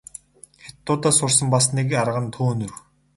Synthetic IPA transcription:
xet̪ːʊːt̪asʊrsə̆mpas̬nikaɾʁə̆nt̪ʰuːnur

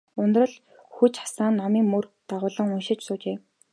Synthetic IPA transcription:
ʊnt̪rə̆ɮ | xut͡ɕχḁsaːnːɔmiːŋmɵrt̪aʁʊːɮə̆ŋʊnʃɪ̆t͡ɕsʊːt͡ɕeː

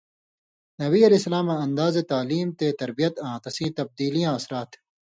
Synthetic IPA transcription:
nɐβiːɐleːsɐlaːmaɐnd̪aːzet̪aːliːmt̪eːt̪ɐɾbijɐt̪ãːt̪ɐsĩːt̪ɐb̚d̪iːlijãːɐsɾaːt̪ʰ

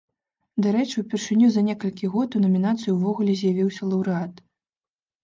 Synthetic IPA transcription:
d̪aɾɛt͡ʂɨwpʲɛrʂɨnʲuzɐnʲɛkɐlʲkʲiɣɔt̪unɐmʲin̪at̪sɨjuwvɔɣulʲɛzʲjavʲiwsʲɐlˠɐwɾɨat̪

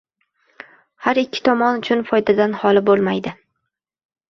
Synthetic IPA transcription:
haɾɪkʲːɪ̥t̪ʰɒmɒnʊt͡ʃʰʊnfɒjd̪ad̪anhɒlˠɪbolˠmajd̪ɪ

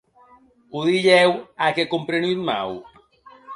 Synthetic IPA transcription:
uðiʎɛwakekompɾenit̪ma̰w

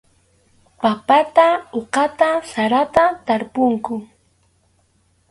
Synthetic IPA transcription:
papat̪aoqɑt̪asaɾat̪at̪aɾpʊŋkʊ

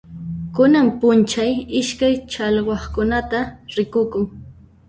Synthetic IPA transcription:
kʊnampʊnt͡ʃajɪʃkajt͡ʃɑʎɢɑχkʊnat̪aɾɪkʊkʊŋ

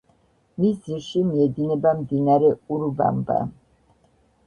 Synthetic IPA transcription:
misd̪ziɾʃimiɛd̪inɛbamd̪inaɾɛuɾba̰mba̰

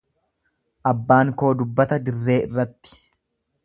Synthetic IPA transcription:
ʔɐbːaːŋko̞ːd̪ʊbːɐt̪ɐd̪ɪrːe̞ːɪrːɐt̪ːɪ̥

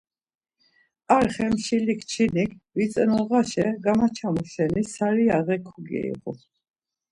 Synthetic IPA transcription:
aɾχɛmʃilikʰt͡ʃʰinikʰvit̪t͡s̪ʼnɔʁaʃɛɡamat͡ʃʰamɔʃɛnisaɾiaʁɛkʰuɡɛ̰ḭqɔ̰

